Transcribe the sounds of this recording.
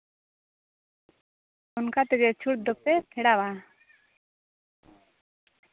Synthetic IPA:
ɔnkat̪ɛɡɛt͡ʃʰuʈ̚d̪ɔk̚t̪ɛp̪ʰɛɽaba

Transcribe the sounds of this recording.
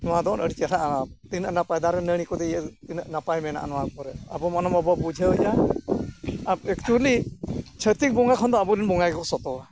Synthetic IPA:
nɔwad̪ɔɔnəɽit͡ʃaɾaʔaat̪innapajd̪aɾɛnəɽ̃ikɔd̪ɛjt̪innapajmɛna̰ʔa̰nɔwapɔɾɛabɔmanɔmɔbɔbud͡ʒʱəd͡ʒa | abɛkt͡ʃulit͡ʃʰət̪ik̚bɔŋakʰɔnd̪ɔabɔɾinbɔŋajɡɔsɔt̪ɔa

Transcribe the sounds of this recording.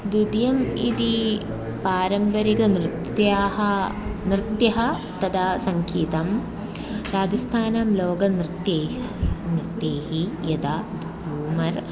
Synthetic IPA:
d̪ud̪jɐmḭd̪i | paːɾɐmpɐɾikɐnɾɨt̪jaːɦɐnɾɨt̪jɐɦɐ | t̪ɐd̪ʰasɐŋkʰiːt̪ɐm | ɾaːd͡ʒɐst̪ʰaːnaːmloːɡɐnɾɨt̪jeː | nɾit̪ːeːhijɐd̪aːd̪ | uːmɐɾ

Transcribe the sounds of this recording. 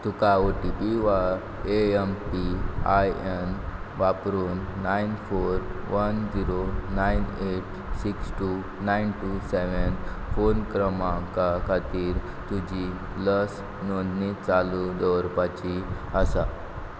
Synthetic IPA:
t̪ukaoʈipiʋa | eempiajen | ʋapɾuːnːainfoɾʋənd͡ziɾonajneʈ | siksʈu | najnʈuseʋənfonkɾəmãkakʰat̪iːɾ | t̪ud͡ʑi | ləs | nond̪nit͡salud̪ɔwɾpat͡ɕi | əsa

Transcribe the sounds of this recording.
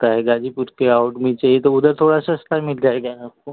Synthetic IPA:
t̪aɦɛɡaːd͡ʒipʊɾkeaʊʈmẽt͡ʃaːɦiet̪oʊd̪əɾt̪ʰoːɽasast̪amɪld͡ʒaːeɡaaːp̚ko

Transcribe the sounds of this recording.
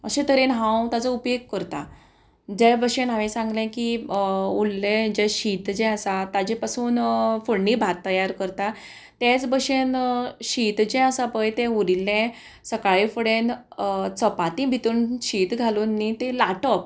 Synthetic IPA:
əɕẽt̪əɾenɦãwt̪ad͡zəupjeɡ̚kəɾt̪a | d͡ʑɛbəɕẽnɦaʋẽsãŋɡlẽki | ulːẽd͡ʑɛ̃ɕit̪d͡ʑɛ̃əsat̪ad͡ʑẽpasuːnfuɽɳnibʱat̪ːəjaɾkəɾt̪a | t̪et͡sbəɕenɕit̪d͡ʑɛ̃əsapəjt̪ẽuɾilːẽ | səkaɭefəɽẽnt͡səpat̪ĩbʱit̪uːnɕiːt̪ɡʱalunːit̪elaʈɔp̚

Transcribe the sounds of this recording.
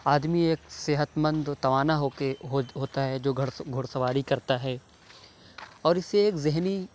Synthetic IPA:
aːd̪mieːkseɦət̪mə̃nd̪t̪ɐʋaːnaɦokeɦoɦoːt̪aɦɛd͡ʒoːɡʱʊɽsɐʋaːɽikɐɾt̪aɦɛː | ɔːɾɪseeːkzɪɦni

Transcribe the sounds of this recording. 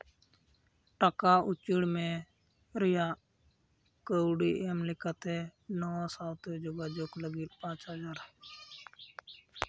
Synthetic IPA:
ʈəkaːʔʊt͡ʃiɽmẽː | ɾɪjaː | kəʊɽiːʔeːmlɪkaːt̪enɔːsaːwt̪eːd͡ʒoːɡaːd͡ʒoːkləɡiːpãːt͡ʃɦəd͡ʒaːɾ

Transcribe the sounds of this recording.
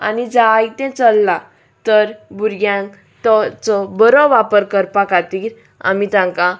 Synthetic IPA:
a̰nid͡zaːjt̪ɛ̃t͡səlːa | t̪əɾbuɾɡjãŋ | t̪ɔt͡sɔbəɾɔ̃ʋapəɾkəɾpakat̪iːɾ | a̰mit̪ãŋkã

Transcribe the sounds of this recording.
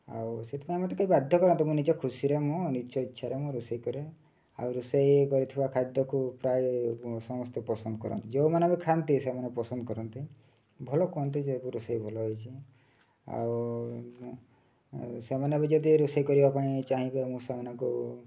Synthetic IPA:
a̰wset̪ʰi̥paĩmɔt̪̬ekaibad̪ʱjɔkɔɾɔnt̪̬imũnid͡ʒɔkʰusiɾemũniʃʰɔit͡ʃːʃʰaɾemũɾusejkɔɾe | a̰wɾusejekɔɾit̪ʰibakʰad̪jɔkupɾajsɔmɔst̪ɔpɔsɔnd̪ɔkɔɾɔ̰nt̪id͡ʒewmanabikʰant̪isemanepɔsɔnd̪ɔkɔɾɔnt̪i | bʱɔlɔkɔɦɔnt̪̬isebuɾusajbʱɔlɔɦɔjt͡ʃʰi | a̰w | semanebed͡ʒɔd̪iɾusajkɔɾibapaĩt͡ʃaɦĩbemũsamanɔŋku

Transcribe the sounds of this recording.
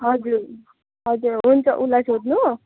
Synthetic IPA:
ɦʌd͡zuɾ | ɦʌd͡zuɾɦunt͡sʌʔulasʰod̪nu

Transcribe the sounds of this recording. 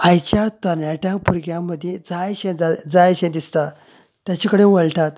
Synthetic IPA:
ajt͡ɕat̪əɾnaʈjãkpuɾɡjãmːəd̪ʱjed͡zajɕẽd͡zad͡zajɕẽd̪ist̪a | t̪jat͡ɕikəɽẽʋəɭʈat̪

